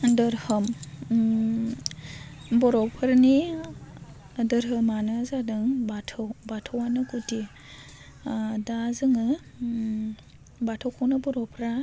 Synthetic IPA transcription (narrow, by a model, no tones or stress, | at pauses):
dɯɾhɯm | bɔɾɔpʰɯɾni | dɯɾɦɯmanɯzadɯŋbatʰɯwbatʰɔwanɯɡuti | dazɯŋɯ | batʰawkʰɔwnɯbɔɾɔpʰɾa